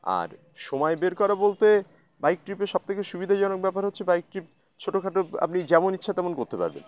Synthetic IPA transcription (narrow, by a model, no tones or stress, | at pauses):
a̰ɾ | ʃomɔebeɾkɔɾabolt̪e | bajk̚ʈɾipeʃɔb̚t̪ʰekeʃubid̪ʱad͡ʑɔnok̚bɛpaɾɦot̪ːɕʰebajk̚ʈɾip̚ | t͡ɕʰoʈokʰaʈoa̰pnid͡ʑɛmonitːɕʰat̪ɛmonkoɾt̪epa̰ɾbḛn